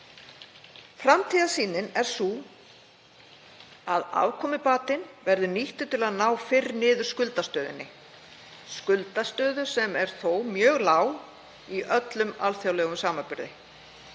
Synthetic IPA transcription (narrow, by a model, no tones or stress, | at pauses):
fɾamt̪ʰiːðasiːnɪnɛɾ̥su | aða̰vkʰɔːmɪpaːt̪ɪnvɛɾðʏniht̪ʏt̪ɪlaðnaːwfɪrnɪːðʏɾ̥skʏlt̪ast̪œːðʏ̰nːɪ | skʏlt̪ast̪œːðʏ̥sɛmɛɾ̥θowmjœːɣlaːw | iʔœt̪lʏmalθjawlɛːɣʏmsaːmapʏɾðɪ